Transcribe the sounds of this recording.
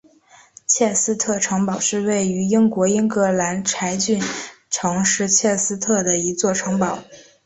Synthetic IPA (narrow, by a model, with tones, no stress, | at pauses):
t͡ɕʰjɛ˥˩sɹ̩˥t̪ʰɤ˥˩ʈ͡ʂʰɤ˧˥ŋpɑ˨˩ʊʂɻ̩˥˧we˥˩ɪy˧˥i˥ŋkwɔ˧˥i˥ŋkɤ˧˥la˧˥nʈ͡ʂʰa˧˥ɪt͡ɕy˥˩nʈ͡ʂʰɤ˧˥ŋʂɻ̩˥˧t͡ɕʰjɛ˥˩sɹ̩˥t̪ʰɤ˥˩d̪ə˩i˧˥t͡swɔ˥˩ʈ͡ʂʰɤ˧˥ŋpɑ˨˩˦ʊ